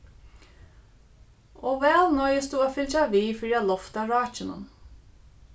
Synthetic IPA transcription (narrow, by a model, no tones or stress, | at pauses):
oːʋɛːlnœʏəsd̪uaːfɪlt͡ʃaʋiːfɔɹiːalɔft̪ɑɹɑːt͡ʃənə̰n